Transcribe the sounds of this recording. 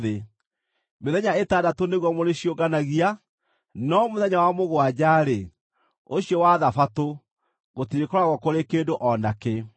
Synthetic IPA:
ðe | meðɛɲaetadatoneɣwɔmoɾeɕioɡanaɣia | nɔmoðɛɲawamoɣwad͡ʑaːɾe | oɕiɔwaðafato | ɣotiɾekɔɾaɣwɔkoɾekeːndoʔɔnake

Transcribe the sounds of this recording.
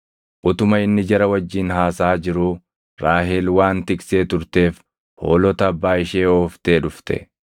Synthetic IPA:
ʔʊt̪ʊmɐɪnːɪd͡ʒɐɾɐwɐd͡ʒːiːnɦaːsaːd͡ʒɪɾu | ɾaːɦɪlwaːnt̪ɪkse̞ːt̪ʊɾt̪e̞ːf | ho̞ːlɔt̪ɐːbːaːɪʃe̞ːoːft̪e̞ːᶑʊft̪ɛ̰

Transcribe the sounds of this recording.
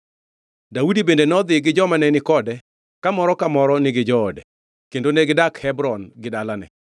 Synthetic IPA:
daudibendenɔd̪ɪɡɪd͡ʒɔmanɛnɪkɔdɛ | kamɔɾɔkamɔɾɔnɪɡɪd͡ʒɔːdɛ | kendoneɡɪdakhɛbɾɔnɡɪdalanɛ̰

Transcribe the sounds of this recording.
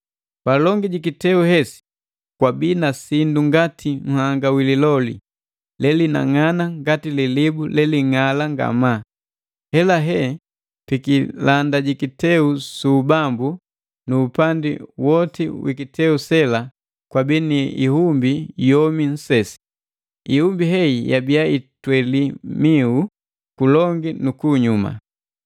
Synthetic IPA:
palɔŋɡiɟikitɛuhɦɛsi̥ | kwabiːnasinduŋɡatʰiŋ̩haŋɡawililɔlḭ | lɛlina̰ŋanaŋɡatililibulɛliŋalaŋɡa̰ma | hɛlaɦɛ | pikilandaɟikitɛusubambu | nuːpandḭwɔtiwḭkitɛusɛla | kwabiniḭhumbijɔmin̩sɛsi̥ | ihumbiɦɛijabiaitwɛlimiu | kulɔŋɡinukuːɲuma̰

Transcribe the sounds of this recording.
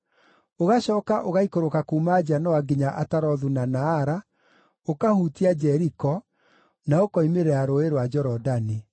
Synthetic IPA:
oɣaʃɔːkaʔoɣaikoɾokakuːmad͡ʒanɔwaɡiɲaʔataɾɔðunanaːɾa | okahuːtiad͡ʒɛɾikɔ | naokɔimeɾɛaɾoeɾwad͡ʒɔɾɔdani

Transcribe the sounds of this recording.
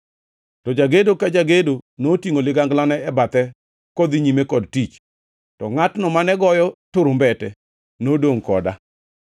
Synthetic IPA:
tɔd͡ʒaɡedokad͡ʒaɡedonotiŋolɪɡaŋɡlanɛɛbat̪ɛ | kɔd̪iɲimekɔdtit͡ʃ | tɔŋatnɔmanɛɡɔjɔtʊɾʊmbɛtɛ | nodoŋkɔ̰da̰

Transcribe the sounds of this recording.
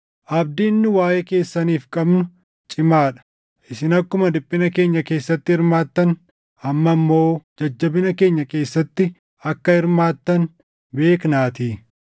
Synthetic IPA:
ʔɐb̚d̪iɪnːʊwaːjeke̞ːsːɐniːfkʼɐbnʊ | t͡ʃʼɪmaːᶑɐ̥ | ʔɪsɪnɐkːʊmɐd̪ɪpʼːɪnɐke̞ːɲːɐke̞ːsːɐt̪ːɪhɪɾmaːt̪ːɐn | ɐmːɐmːo̞ːd͡ʒɐd͡ʒːɐbɪnɐke̞ːɲːɐke̞ːsːɐt̪ːɪ | ɐkːɐhɪɾmaːt̪ːɐn | be̞ːknaːt̪iː

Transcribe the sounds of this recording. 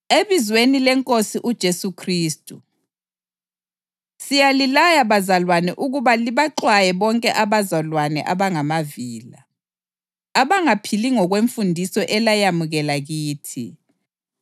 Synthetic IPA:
eβizwenilɛŋkʼosiʔud̥ʒ̥ʱesukʰriːstʼu | sijalilajaβazalwanɛʔuɣuβaliβaǃwajɛβɔŋkʼɛʔaβazalwanɛ̰ʔaβaŋamaviːla̰ | aβaŋapʰiliŋɔɣweɱfundʱisɔʔɛlajamuɣɛlaɣiːtʰḭ

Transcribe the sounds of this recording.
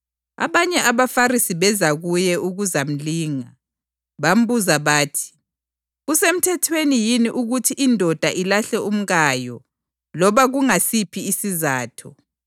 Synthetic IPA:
a̰βaɲɛʔaβafarisiβɛzaɣujɛʔuɣuzam̩liːŋa | βam̩βuzaβaːtʰi̥ | ɣusem̩tʰɛtʰwenijiniʔuɣutʰiʔindʱɔd̥ʱaʔilaɬɛum̩ɣajɔ | lɔβaɣuŋasipʰiːsizaːtʰɔ

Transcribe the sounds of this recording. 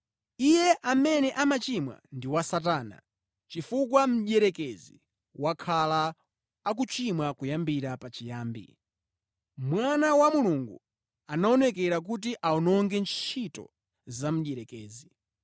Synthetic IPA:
ijɛʔamɛnɛʔamat͡ʃimwa̰ndiwasataːna̰ | t͡ʃifukwam̩ʄɛɾɛkɛzi | wakʰalaː | k̬ut͡ʃimwakujambiɾapat͡ʃijaːmbḭ | mwanawamuluŋɡṵ | anaɔnɛkɛɾak̬ut̬iʔaɔnɔŋɡɛnt͡ʃʰitɔ̰ | zam̩ɗɛɾɛkɛːzi

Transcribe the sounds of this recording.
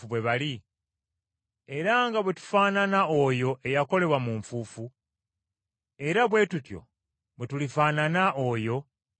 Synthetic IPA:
uβwe̞βali | e̞ɾaŋɡaβwe̞tu̥faːnanao̞jo̞ʔe̞jako̞le̞βwamuɱfuːfu | e̞ɾaβwe̞ːtutjo̞̰ | βwetulifaːnanaʔojo̞

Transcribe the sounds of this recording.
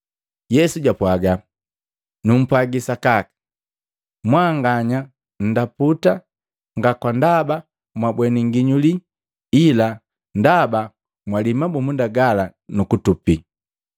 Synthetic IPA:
jɛsuɟapwaɡa | num̩pwaɡisakakḁ | mwaːŋɡaɲa | n̩daputa | ŋɡakwandaba | mwabwɛniŋɡiɲuli | ila | ndaba | mwalimabumundaɡalanukutupi

